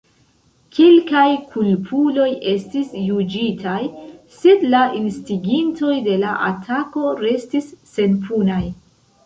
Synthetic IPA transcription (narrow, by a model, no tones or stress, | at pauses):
kʰelkajkʰulpʰulo̞jʔe̞stisjud͡ʒitajse̞dlaʔinstiɡinto̞jde̞laʔatʰako̞ɾe̞stisːe̞npʰunaj